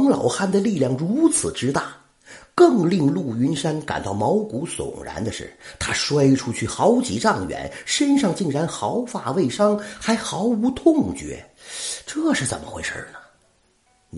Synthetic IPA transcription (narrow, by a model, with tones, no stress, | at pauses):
ŋlɑ˨˩ʊxa˥˩nd̪ə˨li˥˧ljɑ˥˩ŋɻu˧˥t͡sʰɹ̩˨˩ʈ͡ʂɻ̩˥t̪a˥˩ | kɤ˥˩ŋli˥˧ŋlu˥˩y˧˥nʂa˥nka˨˩nt̪ɑ˥˩ʊmɑ˧˥ʊku˧˥sʊ̰˨˩ŋɻa̰˧˥nd̪ə˧ʂɻ̩̰˥˩t̪ʰa˥ʂwa˥ɪʈ͡ʂʰu˥t͡ɕʰy˥˩xɑ˧˥ʊt͡ɕḭ˧˥ʈ͡ʂɑ˥˩ŋɥɛ̰˧˥nʂə˥nʂɑ˥˧ŋt͡ɕi˥˩ŋɻa˧˥nxɑ˧˥ʊfa˥˩we˥˩ɪʂɑ˥ŋxa˧˥ɪxɑ˧˥ʊu˧˥t̪ʰʊ˥˧ŋt͡ɕɥɛ̰˧˥ʈ͡ʂɤ˥˩ʂɻ̩˥˩t͡sə̰˨˩nmʔə̰˦xwe˧˥ɪʂə̰˞˥˩nə˩